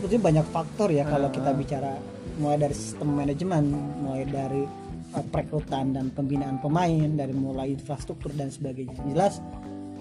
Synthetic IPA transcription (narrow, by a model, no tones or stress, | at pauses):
punt̪uɲabaɲakfak̚t̪ɔrjakalakit̪abit͡ʃaɾa | mulajdaɾisi̥st̪əmːanad͡ʒmənmulajdaɾi | əpɾekɾut̪andanpəmbinaːnpəmaɪndaɾimulajinfɾast̪ɾuk̚t̪ʊrdansəbaɡajd͡ʒəlas